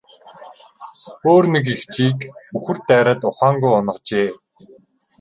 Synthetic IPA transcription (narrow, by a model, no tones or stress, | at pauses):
oːrnik̬ixt͡ɕiːkuxɘ̆r̥t̪ːæːɾăːt̪ʊχaːŋɡujʊnə̆qt͡ɕeː